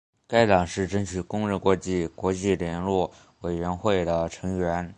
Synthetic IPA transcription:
ka˥ɪt̪ɑ˨˩ŋʂɻ̩˥˩ʈ͡ʂə˥ŋt͡ɕʰy˨˩kʊ˥ŋɻ̩˥˩kwɔ˧˥t͡ɕi˥˩kwɔ˧˥t͡ɕi˥˩ljɛ˧˥nlwɔ˥˩ | we˨˩ɪɥɛ˧˥nxwe˥˩ɪd̪ə˩ʈ͡ʂʰɤ˧˥ŋɥɛ˧˥n

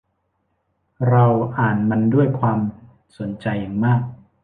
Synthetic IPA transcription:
ɾa˧wʔaː˨˩nma˧ndu˥˩əjkʰwaː˧m | so˩˦nt͡ɕa˧jːa˨˩ŋmaː˥˩k̚

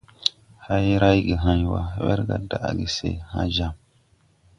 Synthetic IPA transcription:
ha˦jɾa˦jɡi˨ɦã˦ɲ˨wa˨wɛ̰˦ɾɡa˨da˨ʔɡi˨sḛ˨ha˦ʒa˨m

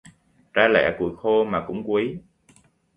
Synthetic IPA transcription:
zaː˧lɛ̰˧˥ku˧˩əjxo˧maː˨˩kʊ̰˧˥ŋ͡mkwi˨˦

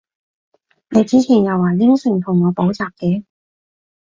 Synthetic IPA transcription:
ne˨˧jt͡siː˥t͡sʰi˨˩ŋjɐ˨waː˨˩li˥ŋsɪ˨˩ŋt̪ʰʊ˨˩ŋːɔː˨˧po˨˥wt͡saː˨k̚kɛː˨˧˥

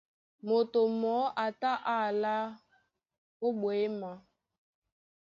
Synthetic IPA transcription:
mo˨to˨mɔ˨˦ʔa˨ta˦ʔa˦˨la˦ | o˦bwe˨˦ma˨

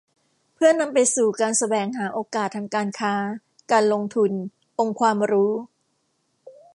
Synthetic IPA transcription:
pʰɯ˥˩ɐna˧mpa˧jsuː˨˩kaː˧nsa˧bɛː˨˩ŋɦaː˩˦ʔoː˧kaː˨˩t̪ʰːaː˧ŋkaː˧nkʰaː˦˥ | kaː˧nlo˧ŋt̪ʰu˧n | ʔo˧ŋkʰwaː˧mɾuː˦˥

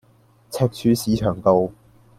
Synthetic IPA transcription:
t͡sʰɛː˧k̚t͡ʃʰyː˨˧siː˨˥t͡ʃʰœː˨˩ŋt̪o˧w

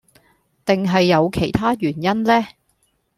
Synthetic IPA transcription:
t̪ɪ˨ŋɦɐ˨jːɐ˨˧wkʰe˨˩jt̪ʰaː˥ɥyː˨˩njɐ˥nlɛː˥

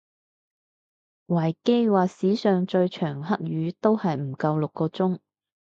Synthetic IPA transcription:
wɐː˨˩jke˥jwaː˨siː˨˥sœː˨ŋt͡ʃɵ˧ɥt͡ʃʰœː˨˩ŋɦɐ˥k̚ɥyː˨˧t̪o˥whɐ˨jm̩˨˩kɐ˧wlʊ˨kːɔː˧t͡sʊ˥ŋ

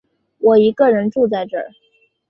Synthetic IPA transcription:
wɔ˨˩i˧˥kə˥˧ɻə˧˥nʈ͡ʂu˥˧t͡sa˥˧˩ɪʈ͡ʂɤ̰˥˩

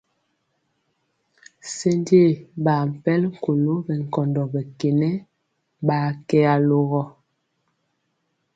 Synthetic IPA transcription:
se˦nde˦˨ba˨m̩˨pɛ˦lŋ̩˨ko˨lo˦bɛ˨ŋ˨kɔ˨ndɔ˨bɛ˨ke˨nɛ˦ | baː˨˦kɛ˦a˨lo˦ɣɔ˦

